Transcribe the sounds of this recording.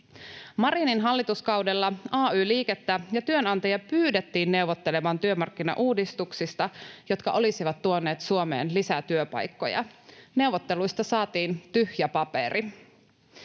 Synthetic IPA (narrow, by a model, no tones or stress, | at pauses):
mɑɾininɦɑlːit̪uskɑwdelːɑɑːyːliːket̪ːæjɑt̪yønɑnt̪ɑjɑpyːdet̪ːiːnːe̞uʋot̪ːelemɑnt̪yømɑrkːinɑ̰ʔuːdist̪uksist̪ɑjo̞t̪kɑʔo̞lisiʋɑt̪ːuone̞ːt̪suomḛːnlisæt̪yøpɑ̰jkːo̞̰jɑ̰ne̞wʋot̪ːe̞lujst̪ɑsɑːt̪iːnt̪yhjæpɑpḛɾi